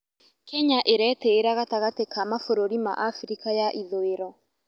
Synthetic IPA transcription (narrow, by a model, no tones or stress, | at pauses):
kɛɲaʔeɾɛteːɾaɣataɣatekamafoɾoɾima̰ʔafɾikajaʔiðoeɾɔ